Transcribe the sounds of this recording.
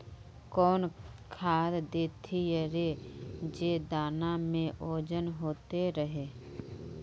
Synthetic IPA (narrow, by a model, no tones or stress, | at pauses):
kɔːnkʰaːd̪d̪eːt̪ʰijəɾed͡ʒeːd̪aːnamẽʔoːd͡ʒənɦoːt̪eɾəɦeː